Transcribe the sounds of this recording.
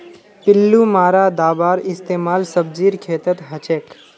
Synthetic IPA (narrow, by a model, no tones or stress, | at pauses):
pɪlːumaːɾad̪aːbaːɾɪst̪eːmaːlsəb̚d͡ʒiːɾkʰeːt̪ət̪ɦət͡ʃeːk